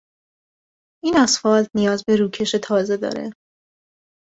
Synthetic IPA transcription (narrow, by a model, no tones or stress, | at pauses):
inæsfɒːlnijɒːzbe̞ɾuːcʰe̞ʃe̞t̪ʰɒːze̞d̪ɒ̰ːɾḛ